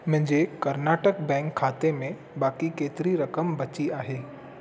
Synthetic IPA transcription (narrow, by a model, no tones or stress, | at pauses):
mʊ̃ɦɪ̃ɲd͡ʑekɐɾnaːʈək̚bɛ̃ːŋkʰːaːt̪emẽ | baːkikeːt̪ɪɾiɾɐkəmbɐt͡ɕiaːɦeː